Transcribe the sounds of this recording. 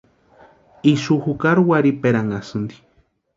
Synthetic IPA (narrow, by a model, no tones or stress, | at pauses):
iʃuhukaɾuwaɾipeɾaŋasɨnd̪i